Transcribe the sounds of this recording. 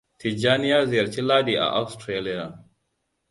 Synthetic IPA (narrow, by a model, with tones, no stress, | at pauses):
ti˨d͡ʒaː˦nɪ˦jaː˦zɪ˨jɐ˨ɾt͡ʃi˦laː˦diː˨ʔa̰˨ʔa˦wstɾe˦li˦ja˨